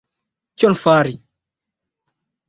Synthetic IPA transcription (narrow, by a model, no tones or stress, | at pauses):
kjɔnfaːɾi